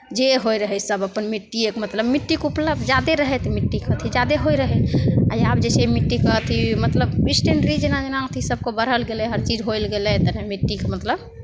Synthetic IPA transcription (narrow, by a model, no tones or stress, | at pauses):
d͡ʒeɦojɾəɦɛsəbəpːənmiʈːiekmət̪ləbmiʈːikupləb̚d̪d͡ʒad̪eɾəɦɛt̪miʈːikət̪ʰid͡ʒad̪eɦojɾəɦɛa̰jabd͡ʒesemiʈːikət̪ʰimət̪ləbisʈeɳʈɾid͡ʒenad͡ʒenãt̪ʰisəb̚kebəɾ̤əlɡelɛɦəɾt͡ʃid͡ʒɦojlɡelɛt̪ənemiʈːikemət̪ləb